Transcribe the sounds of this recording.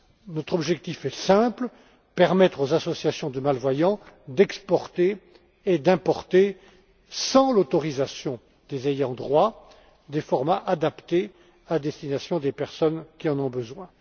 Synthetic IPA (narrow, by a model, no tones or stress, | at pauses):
nɔt̪χɔbʒɛk̚t̪ifɛsɛ̃pl | pɛʁmɛt̪χozasɔsjasjɔ̃d̪əmalvwajɑ̃d̪ɛkspɔʁt̪e | ed̪ɛ̃pɔʁt̪e | sɑ̃lot̪ɔʁizasjɔ̃ | d̪ezejɑ̃d̪ʁwa | d̪efɔʁmaʔad̪apt̪e | ad̪ɛst̪inasjɔ̃d̪epɛʁsɔnkʲiɑ̃nɔ̃bəzwɛ̃